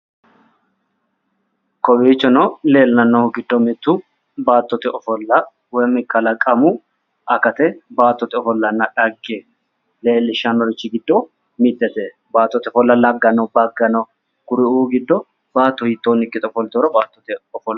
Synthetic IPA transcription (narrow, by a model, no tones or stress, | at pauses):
kɔbiːt͡ʃːɔnɔleːlnɐnːɔhʊɡɪd̪ːɔmɪt̪ːʊ | baːt̪ːɔt̪ɛʔɔfɔlːɐ | wɔmɪkːɐlɐkʼɐmʊ | ʔɐkɐt̪ɛbaːt̪ːɔt̪ɛɔfɔlːɐnːɐᶑɐɡːe | le̞ːlːɪʃɐnɔɾɪt͡ʃːɪɡɪd̪ːɔ | mɪt̪ːɛt̪e | baːt̪ːɔt̪ɛɔfɔlːɐlɐɡːɐnɔbɐɡːɐnɔ | kʊɾɪuɡɪd̪ːɔ | baːt̪ːɔhɪt̪ːoːnɪkʼːɪt̪ʼɔfɔlt̪oɾɐbaːt̪ːɔt̪ɛɔfɔlːɐ